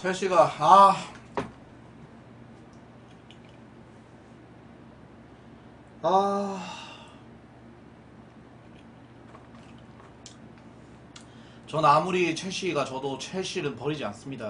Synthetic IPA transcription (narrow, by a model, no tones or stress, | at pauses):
t͡ɕʰeɕʰiɡaa | a | t͡ɕʌnamuɾit͡ɕʰeɕʰiɡat͡ɕʌdot͡ɕʰeɕʰiɾɯnpʌɾid͡ʑians͈ɯmɲida